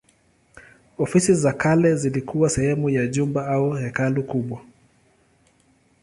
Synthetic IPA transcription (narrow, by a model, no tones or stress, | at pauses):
ɔfisizakalɛzilikʰuwasɛhɛmujaʄumbaauhɛkalukuɓwa